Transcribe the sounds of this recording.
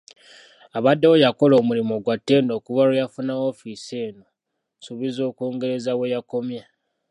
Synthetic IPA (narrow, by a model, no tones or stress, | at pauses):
aβadːewojako̞lo̞ːmulimo̞ɡwatːe̞ːndo̞ːkuvaɾejafunaofise̞ːno | suβizo̞ːkoːŋɡe̞ɾe̞zawejako̞mja